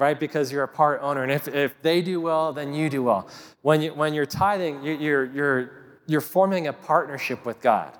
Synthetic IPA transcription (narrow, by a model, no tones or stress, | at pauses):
ɹaɪt̚b̥ɨkʰʌzjə˞ɨpʰɑɹɾõʊ̃nə˞ɨ̃nɨfɪfðeɪdɨwɛlˠðɨ̃njɨdɨwɛ̰lˠ | wə̃njɨwə̃njə˞tʰaɪðɪ̃ŋjəjə˞jə˞ | jə˞fɔɹmɪ̃ŋɨpʰɑɹtⁿnə˞ʃɪpwɨðɡɑ̰d̥